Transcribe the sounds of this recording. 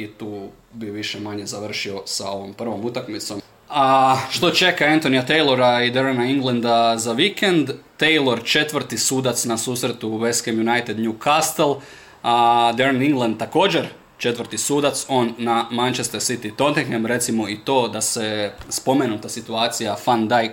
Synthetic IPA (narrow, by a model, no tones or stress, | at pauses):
it̪uː | biʋiʃemaɲe̞zaʋr̩ʃio̞sa̰o̞ʋo̞mpr̩ʋo̞mut̪akmit̪so̞m | aʃt̪o̞t͡ʃe̞kaant̪o̞nijat̪ejlˠo̞ɾaid̪eɾanaiŋɡlˠand̪azaʋikend̪ːejlˠo̞ɾt͡ʃe̞t̪ʋr̩ɾt̪isuːd̪at̪snasuːsɾe̞t̪uʋe̞skemjunajt̪ed̪ɲukast̪elˠ | d̪eɾniŋɡlˠand̪̚t̪ːako̞ːd͡ʑeɾ | t͡ʃe̞t̪ʋəɾt̪isuːd̪at̪so̞nːamant͡ʃest̪eɾsit̪it̪ont̪eɡemɾe̞t̪simo̞it̪o̞ːd̪asespo̞menut̪asit̪uaːt̪sijafand̪aj